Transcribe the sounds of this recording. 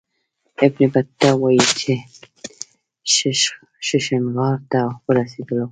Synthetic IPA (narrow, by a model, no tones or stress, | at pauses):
ɪbnɪbaawɑjit͡ʃʰe | ʃ | ʃɪʃanɣɑɾt̪awəɾased̪əlo